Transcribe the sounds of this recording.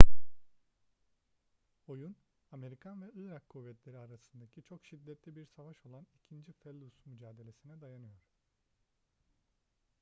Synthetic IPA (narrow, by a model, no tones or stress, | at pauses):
o̞jun | ame̞ɾikʰanvɛɯɾakʰːuvːɛt̪lʲe̞ɾiaɾasɯnd̪acʰit͡ʃʰo̞kʃid̪ːɛt̪lʲibiɾsavaʃo̞lˠanicʰind͡ʒifɛlʲˠːusmyd͡ʒaːd̪e̞lʲe̞sinɛd̪ajanɯjo̞ɾ̥